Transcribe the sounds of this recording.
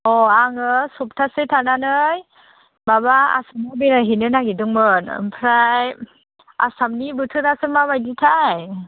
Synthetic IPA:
ɔaŋɯsɔp̚tʰasɯtʰananɯj | babaa̰samabiɾaɦinɯnaɡidɯŋbɯn̰mpʰɾaj | a̰samnibɯtʰɯɾasɯmabajditʰaj

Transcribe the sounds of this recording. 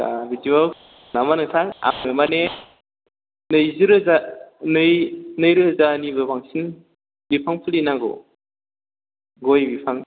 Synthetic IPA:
a̰bizibal | namanɯtʰaŋa̰mɯmane | nɯjziɾɯzanɯjnɯjɾɯzanibɯbaŋsin | bipʰaŋpʰɯlinaɡɔ̰ | ɡojbipʰaŋ

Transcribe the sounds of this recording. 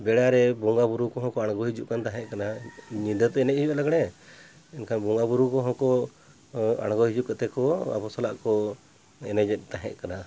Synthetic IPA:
bɛɽaɾɛbɔŋɡabuɾukɔɦɔ̃kɔaɽɡɔɦid͡ʒuʔkant̪aɦɛ̃ʔkanaɲid̪ət̪ɛɛnɛʔ̚hid͡ʒulaɡɽɛ | ɛnkʰanbɔŋɡabuɾukɔɦɔ̃kɔ | a̰ɽ̃ɡɔhid͡ʒuʔkat̪ɛkɔa̰pɔsalaʔkɔ | ɛnɛd͡ʒɛt̪̚ˀt̪aɦɛ̰ʔkana

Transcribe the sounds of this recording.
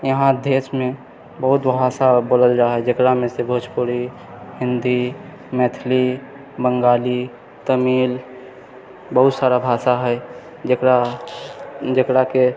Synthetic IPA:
jəɦãd̪eːsmẽ | bəɦʊt̪bʱaːsaboːləld͡ʒaːɦɛd͡ʒəkɽamẽsebʱʊt͡ʃpuɾi | ɦɪ̃nd̪i | mɛːt̪ʰli | bəŋɡaːli | t̪əmiːl | bəɦʊt̪saːɾabʱaːsaɦɛ | d͡ʒəkɾa | d͡ʒəkɽake

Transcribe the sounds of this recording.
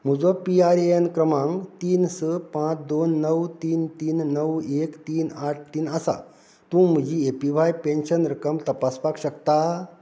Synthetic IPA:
m̤ud͡zopiaɾeənkɾəmãŋɡt̪iːnsəpãt͡sd̪onːəwt̪iːnt̪iːnːəwekt̪iːnaʈ̚ʰt̪iːnəsa̰ | t̪ũm̤əd͡ʑiepiʋajpẽnɕənɾəkəmt̪əpaspakɕəkt̪a

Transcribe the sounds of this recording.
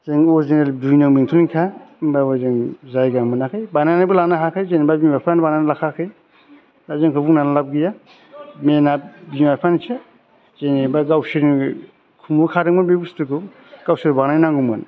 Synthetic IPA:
zeŋɔzenel̚dujnaŋmiŋtʰuniŋkʰababazeŋzajɡaŋmɯnakʰajbananabulanaɦakʰɯjzenibabimapʰanbananlakʰakʰɯj | zazeŋkʰɯbuŋnanalab̚ɡija | menabimapʰanit͡ʃʰe | zenebaɡawsiɾni | kʰumukʰaɾɯŋmanbebustɯkɯw | ɡ̥awsiɾbanannaŋɡuman

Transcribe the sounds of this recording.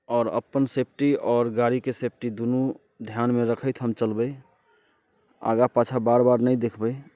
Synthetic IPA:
ɔːɾə̰pːənsepʰʈiɔːɾɡaɾikesep̚ʰʈid̪unu | d̪ʱjanmeɾəkʰəɪt̪ʰɦəmt͡ʃəlbəj | a̰ɡapat͡ʃʰabaɾbaɾnəjd̪ekʰbəj

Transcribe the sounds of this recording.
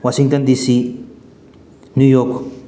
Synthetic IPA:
waʃiŋt̪ond̪isi | nujok

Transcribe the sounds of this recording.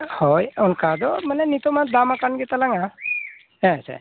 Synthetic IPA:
hɔjɔnkad̪ɔmənɛnit̪omat̪d̪amakanɡɛt̪alaŋa | ɦɛ̃sɛ̰

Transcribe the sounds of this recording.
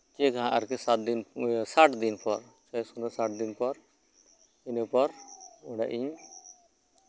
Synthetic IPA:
t͡ʃekaɦãʔa̰ɾkɛsat̪̚d̪insaʈd̪inpʰɔɾt͡ʃɔjsunɔsaʈ̚d̪inpɔɾ | inəpɔɾuɖa̰ʔiɲ

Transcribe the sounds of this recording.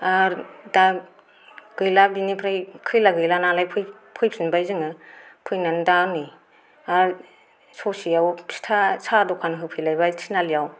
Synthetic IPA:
aɾda | ɡ̥ɯjlabinipʰɾajkʰɯjlaɡɯjlanalajpʰɯ | pʰɯjpʰinbajzɯŋɯpʰɯjnandani | aɾ | sɔsiawpʰi̥tʰasadɔkʰanɦɯpʰɯjlajbajtʰinalijaw

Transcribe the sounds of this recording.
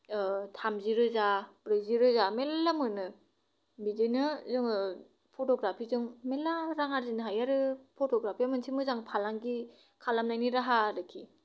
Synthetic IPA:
tʰamziɾɯzabɾɯziɾɯzamelːamɯnɯ | bizɯjnɯzɯŋɯ | pʰotɔɡɾapʰizɯŋmelːaɾaŋaɾzinɯɦajaɾɯpʰotʰɔɡɾapʰijamɯnsʰimɯzaŋpʰalaŋɡi | kʰalamnajniɾaɦaɾɯkʰi

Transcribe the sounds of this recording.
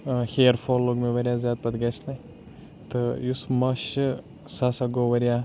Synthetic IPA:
hʲeːɾfoːlːoɡmʲiʋɐɾʲjazʲaːt̪̚pɐd̪ɡɐsʲnɐj | t̪ɨjusmɐʃɨ | sasɐɡoʋɐɾʲja

